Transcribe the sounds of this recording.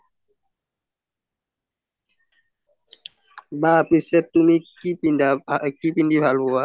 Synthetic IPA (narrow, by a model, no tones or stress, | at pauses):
bapisɛt̪umikipindakipindibʱalbua